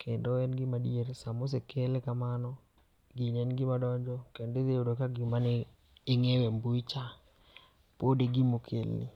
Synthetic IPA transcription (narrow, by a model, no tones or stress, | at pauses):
kʰendoɛnɡɪmadieɾsamos̬ekʰelekamanɔ | ɡiɲɛnɡɪmadɔɲd͡ʒɔkended̪eodokaɡimaneː | ŋewembut͡ʃa | podeɡimokʰḛlnḭ